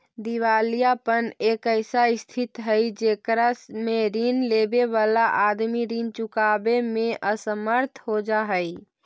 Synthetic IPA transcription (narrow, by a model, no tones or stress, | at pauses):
d̪iʋalijapənekəɪsaɪst̪ʰit̪ɦəjd͡ʒekɾasmeɾinlebeʋalaʔad̪miɾint͡ʃukabemẽʔəsəməɾt̪ʰɦod͡ʒaɦəj